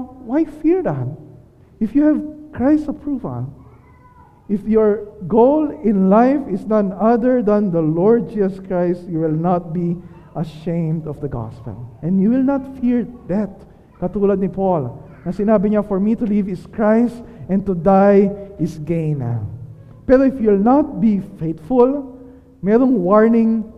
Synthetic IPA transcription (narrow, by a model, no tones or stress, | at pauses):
wajfiɹd̪at̪̚ | ʔɪfjuhɛvkɹajsɐpʰɹuvɐ̰l | ʔɪfjɔɹɡowlɪ̃nlajfɪsnanɐðəɹd̪ɐ̃nd̪ɐlɔɹd̪̚d͡ʒisɐskɹajst̪juwɪlnat̪̚bi | ʔɐʃẽɪ̃md̪ɔvd̪ɐɡɑ̰spɛ̰lʔɛ̃njuwɪlnat̪fiɹd̪at̪̚ | kɐt̪uːlɐd̪̚nɪpol | nɐsɪnaːbɪɲafɔɹmit̪ʊlivɪskɹajst̪ɛ̃nt̪ʊd̪ajɪsɡẽɪna̰ | pɛɾoɪfjulnat̪̚bifejt̪fʊl | mɛɾʊŋwɔɹnɪ̃ŋ